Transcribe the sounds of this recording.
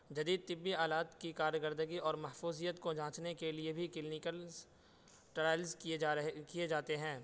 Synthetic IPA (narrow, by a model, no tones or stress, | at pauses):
d͡ʒɐd̪iːd̪̚t̪ɪbːiaːlaːt̪kikaːɾjəkəɾd̪əɡiɔːɾmɐɦfuːzijət̪kod͡ʒãːt͡ʃnekeliebʱikɪlnɪkəl | ʈɾaːɪlzkiekied͡ʒaːt̪eɦɛ̃ː